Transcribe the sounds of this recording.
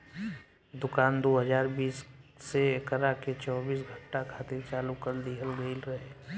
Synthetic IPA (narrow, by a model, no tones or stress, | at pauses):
d̪ʊkaːnd̪oːɦəd͡ʒaːɾbiːsːekɾaket͡ʃɔːbiːs̬ɡʱə̃ɳʈakʰaːt̪et͡ʃaːlukəɾd̪iɦəlɡəɪlɾəɦeː